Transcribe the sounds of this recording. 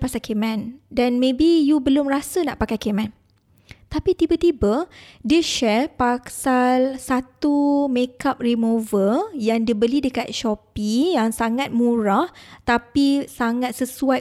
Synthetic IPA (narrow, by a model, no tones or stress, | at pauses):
pasakemɛ̃ndanmẽbijubəlʊmrasəna̰ʔpakajkemɛ̃n | t̪apit̪ibat̪ibadiəʃɛrpasalsat̪umekap̚rimuvəjaŋdiəbəlidəkat̪̚ʃɔpijaŋsaŋat̪̚mũɾaht̪apisaŋat̪̚səsua